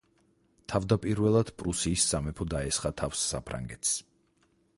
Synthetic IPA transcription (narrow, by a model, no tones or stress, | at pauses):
t̪ʰavd̪apʼiɾvɛlˠad̪̥pʼɾusiːszamɛpʰɔd̪aɛsχat̪ʰafsːa̰pʰɾa̰ŋɡɛt̪ʰs